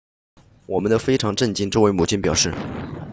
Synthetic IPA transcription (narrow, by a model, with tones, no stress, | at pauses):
wɔ˨˩mə˦nd̪ə˧fe˥ɪʈ͡ʂʰɑ˧˥ŋʈ͡ʂə˥˩nt͡ɕi˥nʈ͡ʂo˥ʊwɪmu˨˩t͡ɕʰi˥npjɑ˨˩ʊʂɻ̩˥˩